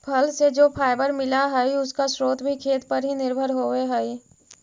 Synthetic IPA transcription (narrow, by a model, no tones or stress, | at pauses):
pʰɐlsed͡ʒoːpʰaːɪbəɾmɪlaɦɛiʊskasɾoːt̪ʰbʱikʰeːt̪pəɾɦinɪɾbʱəɾɦoːʋeɦɛi